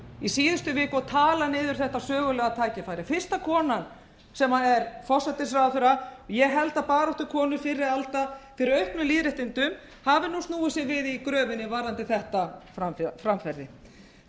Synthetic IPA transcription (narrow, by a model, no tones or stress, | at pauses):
isiːðʏst̪ʏvɪːkʏɔt̪ʰaːlanɪːðʏɾ̥θɛht̪asœːɣʏlɛːɣat̪ʰaːjcɪfaːjɾɪfɪr̥st̪akʰɔːnan | sɛmaɛɾfɔsat̪ɪs̬ɾawðθʏɾajɛɣɦɛlt̪aðpaːɾɔht̪ʏkʰɔːnʏfɪɾːɪalt̪afɪɾɪɾœɥhpnʏliːðɾɛht̪ɪnt̪ʏm | havɪnust̪nuːɪsjɛɣvɪðiikɾœːvɪnːɪvaːɾant̪ɪθɛht̪afafɾamfɛɾðɪ